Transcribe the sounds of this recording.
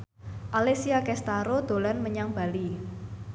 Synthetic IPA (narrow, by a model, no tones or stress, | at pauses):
ʔalesiakɛst̪aɾod̪̥o̤lanməɲaŋb̥a̤li